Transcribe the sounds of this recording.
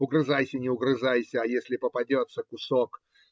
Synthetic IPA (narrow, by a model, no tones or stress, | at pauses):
ʊɡɾɨzajsʲənʲɪʊɡɾɨʐajsʲəajesʲlʲɪpəpɐdʲot̪səkʊsok